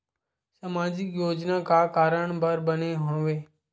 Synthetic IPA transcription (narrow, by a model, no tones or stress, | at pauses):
səmaːd͡ʒɪkjoːd͡ʒnaːkaːkaːɾəɳbəɾbəneːɦoːʋeː